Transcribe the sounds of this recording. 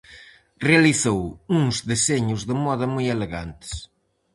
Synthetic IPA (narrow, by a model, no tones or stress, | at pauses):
reɐliθowũŋzðezeɲʊzðɨmɔðɐmujeleɣa̰nt̪ɪ̥s